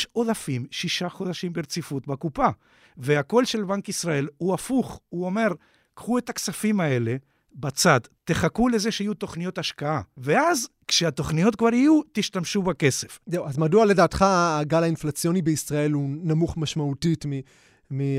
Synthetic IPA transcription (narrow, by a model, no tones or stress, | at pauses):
ʃo̞dafimʃiʃaχo̞d̪aʃimbeʁt͡sifut̪bakupa | veako̞lʃe̞lbaŋkisʁae̞luafuχuo̞me̞ʁ | kχue̞t̪aksafimae̞le̞ | bat͡sad̪t̪e̞χakule̞ze̞ʃeːajut̪o̞χnijo̞t̪aʃkaave̞azkʃeat̪o̞χnijo̞t̪̚kvaʁijut̪iʃtamʃubake̞se̞fzewazmaduale̞daːt̪χaːɡalainflat͡sjo̞nibeisʁae̞lunamuχmaʃmautitmi | mi